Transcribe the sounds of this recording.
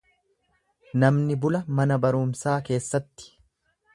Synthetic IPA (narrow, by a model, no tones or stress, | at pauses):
nɐmnɪbʊlɐmɐnɐbɐɾʊmsaːke̞ːsːɐt̪ːɪ̥